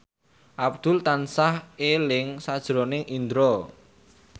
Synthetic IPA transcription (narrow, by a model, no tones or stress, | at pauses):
ʔab̚d̪̥ʊ̤lt̪ansahelɪŋsad̥ʒ̥ɾonɪŋʔind̪ɾɔ